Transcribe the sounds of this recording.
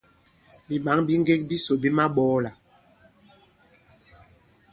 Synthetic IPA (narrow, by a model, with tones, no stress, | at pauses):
bi˨ɓa˨˦ŋbi˦ŋ˦ɡe˦k̚bi˦so˨bi˦ma˦ɓɔː˨˦la˨